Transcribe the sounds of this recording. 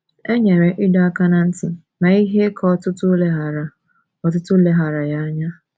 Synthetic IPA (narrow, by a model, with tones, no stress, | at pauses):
e˦ɲe˨ɾe˨ʔɪ˦dɔ˨a˦ka˦na˨n̩˦tɪ˨ | na˨i˦ɦe˦kʰɔ˦ɔ˦tʊ˦tʊ˦le˦ɦa˨ɾa˨ | ɔ˨tʊ˦tʊ˦le˦ɦa˨ɾa˨ja˦a˦ɲa˦